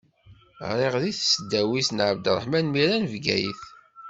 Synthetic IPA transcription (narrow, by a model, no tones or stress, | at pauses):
ɾˤeʁðiθsəd̪ːæwisnʕəbd̪ɾˤə̰ħmænmiɾænvɡæ̰jḭθ